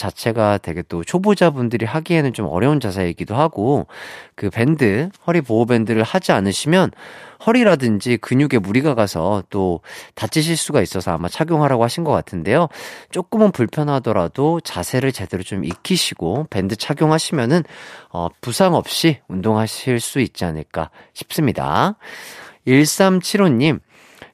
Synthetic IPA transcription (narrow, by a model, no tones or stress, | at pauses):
t͡ɕat͡ɕʰe̞ɡatwe̞ɡe̞t͈ot͡ɕʰobod͡ʑabundɯɾiɦaɡiɦe̞nɯnt͡ɕomʌ̰ɾjʌunt͡ɕasʰaeɡidoɦaɡokɯpe̞ndɯhʌɾipoːbe̞ndɯɾɯɭhad͡ʑianɯɕʰimjʌnhʌɾiɾadɯnd͡ʑikɯɲuɡe̞muɾiɡaɡasʰʌt͈otat͡ɕ͈ʰiɕ̬ʰiɭs͈uɡais͈ʌsʰʌa̰mat͡ɕʰaɡjoŋɦaɾaɡohaɕʰinɡʌk͈atʰɯnde̞jot͡ɕ͈ok͈ɯmɯnpuɭpʰjʌnɦadʌɾadot͡ɕasʰe̞ɾɯɭt͡ɕe̞de̞ɾot͡ɕomʔḭkʰiɕʰiɡ̥ope̞ndɯt͡ɕʰaɡjoŋɦaɕʰimjʌnɯnʌ̰pusʰaŋʌp̚ɕ͈iundoŋɦaɕʰiɭs͈uit̚t͡ɕ͈ianɯɭk͈a̰ | ɕʰi̥p̚s͈ɯmɲida̰ | iɭs͈amt͡ɕʰiɾoɲim